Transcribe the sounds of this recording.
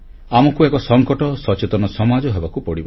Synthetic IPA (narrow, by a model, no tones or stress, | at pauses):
amɔkuekɔsɔŋkɔʈɔsɔt͡ʃet̪ɔnɔsɔmad͡ʒɔɦebakupɔɽibɔ